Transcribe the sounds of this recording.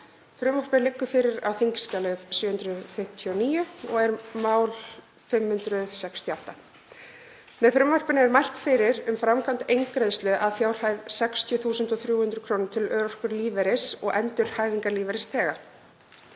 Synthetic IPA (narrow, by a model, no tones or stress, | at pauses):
fɾʏmvɔr̥pɪnlɪkːʏfɪːɾɪɾawθiɲcɪ̥scaːlɪsjʏːhʏnt̪ɾʏfɪm̥t̪ʰjɔniːjʏɔɣɛɾmaːwl | fɪmhʏnt̪ɾʏsɛkst̪ʰjɔaht̪a | mɛðfɾʏmvɔr̥pɪnɪɛɾmajl̥t̪fɪɾɪɾʏmfɾamkʰant̪ejŋkɾeðst̪lʏʔaðfjaːwr̥hajðsɛkst̪ʰjʏθuːsʏnt̪ɔθɾjuːhʏnt̪ɾʏkʰɾoːwnʏt̪ʰɪlœːɾɔr̥kʏɾliːvɛɾɪsɔ̰ɣʔɛnt̪ʏl̥haːjviŋkaɾliːvɛɾɪst̪ʰɛːɣa